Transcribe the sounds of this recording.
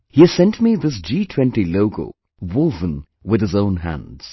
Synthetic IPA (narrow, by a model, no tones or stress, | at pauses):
hiɨz̥sɛ̃ntmiðɪs̬d͡ʒiːtʰw̥ɛ̃ntiloʊko̰ | wʊlˠvə̃n | wɨð̥ɨzõʊ̃nɦæ̰̃ndz̥